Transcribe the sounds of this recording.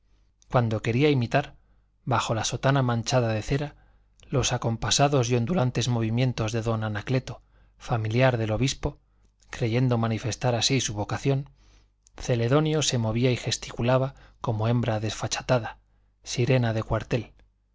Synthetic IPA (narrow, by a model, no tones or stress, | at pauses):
kwand̪o̞ke̞ɾiaimit̪aɾ | baxo̞laso̞t̪anamãnt͡ʃaðaðe̞θe̞ɾa | lo̞sako̞mpasaðo̞sjo̞nd̪ulant̪e̞zmo̞β̞imjẽ̞nt̪o̞zðe̞ðo̞nanakle̞t̪o̞ | familjaɾðe̞lo̞βispo | kɾe̞ʝe̞nd̪o̞mãnife̞st̪aɾasisuβo̞kaθjo̞n | θe̞le̞ðo̞njo̞se̞mo̞β̞iaixe̞st̪i̥kulaβako̞mo̞ẽ̞mbɾaðe̞sfat͡ʃḁt̪aða | siɾe̞naðe̞kwaɾt̪e̞l